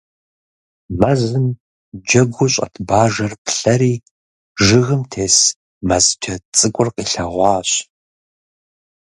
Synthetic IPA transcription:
mɐzɨm | d͡ʒɐɡʷʊɕʼɐ̰tʰbaːʒɐrpɬɐɾiː | ʒɨɣɨmtʰeːs | mɐzt͡ʃʰɐt͡sʼɨkʷʼʊrqiːɬɐʁʷɑːɕ

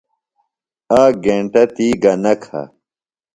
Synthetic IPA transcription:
aːɡeɳʈɐt̪iːɡɐnɐkʰa̰

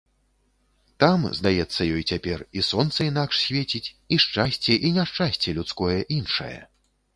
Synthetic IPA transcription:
t̪amzd̪ajɛt̪sːɐjɔjt͡sʲapʲɛrisɔnt̪sɐin̪akʂsʲvʲet͡sʲit͡sʲ | iʂt͡ʂasʲt͡sʲɛʔinʲaʂt͡ʂasʲt͡sʲɛlʲut̪skɔjɛʔinʂɐ̰jɛ̰

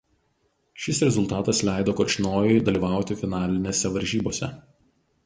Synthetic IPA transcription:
ʃʲɪsɾʲɛzʊlˠt̪ɑːt̪ɐslʲæˑɪd̪oːkoːt͡ʃʲɪnoːjɛɪd̪ɐlʲiːʋɑˑʊt̪ʲɪfʲɪnɑːlʲɪnʲeːsʲɛʋɐɾʲʒʲiːboːsʲɛ̰

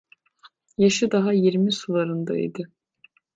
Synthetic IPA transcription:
jaʃɯd̪aɦajiɾmisulˠaɾɯnd̪a̰ḭd̪ɪ

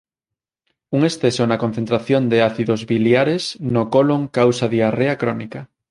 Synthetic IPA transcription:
uŋesθesonakon̟θẽnt̪ɾaθjond̪eaθiðozβiljaɾesnokoloŋkawsaðiareakɾonika

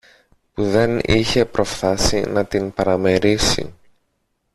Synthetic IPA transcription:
puðe̞niçe̞pɾo̞fθɐsḭnɐt̪inpɐɾɐme̞ɾisḭ

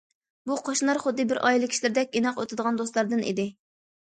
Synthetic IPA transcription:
buqʰɑʃnɑɾχʊd̪ːɨbɪɾʔɑ̰jilˠɪkʲʰi̥ʃlɪɾd̪ɛk̚ʲɡʲinɑqot̪ʰɨd̪əʁɑnd̪ost̪lˠɑɾd̪ɨnʔḭd̪ɪ

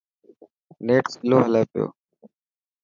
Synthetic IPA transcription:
neːʈsloːɦəleːpɪjo̰ː

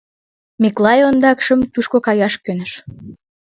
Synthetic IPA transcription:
miklˠɑjond̪ɑkʃə̆mt̪uʃkokɑjɑʃkønə̆ʃ

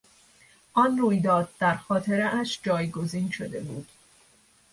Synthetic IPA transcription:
ʔɒnruːjd̪ɒːd̪̥̚d̪æɾxɒːt̪ʰe̞ɾeʔæʃd͡ʒɒːjɡo̞ziːnʃo̞d̪e̞̰bṵːd̪̥

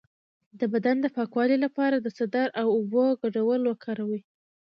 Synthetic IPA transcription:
d̪əbad̪and̪əpɑkwɑlilapɑɾad̪əsad̪aɾʔawʊboɡaɖawəlwakʰɑɾawi

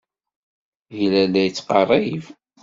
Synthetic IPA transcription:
jlælːæjt͡sːqɑrˤːɑiv

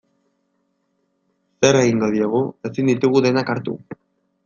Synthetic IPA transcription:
se̞ɾe̞ɣiŋɡo̞ð̞ioɣ̞ue̞sind̪it̪uɣ̞uðe̞nakaɾt̪ṵ

